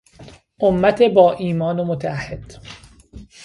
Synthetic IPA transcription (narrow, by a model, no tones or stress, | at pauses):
ʔomːæt̪ʰebɒːʔiːmɒːnomot̪ʰææhːed̪̥